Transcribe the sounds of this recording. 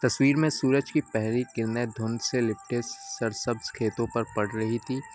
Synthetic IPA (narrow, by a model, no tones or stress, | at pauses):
t̪ɐswiːɾmẽsuːɾəd͡ʒkipɛɦlikɪɾned̪ʱʊ̃nd̪selɪp̚ʈessɐɾsɐbzkʰeːt̪õpɐɾpɐɽ̤ɾɐɦit̪ʰiː